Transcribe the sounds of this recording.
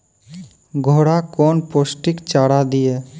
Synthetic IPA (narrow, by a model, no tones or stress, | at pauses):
ɡʱoːɽakɔːnpoːsʈɪkt͡ʃaːɽad̪ijeː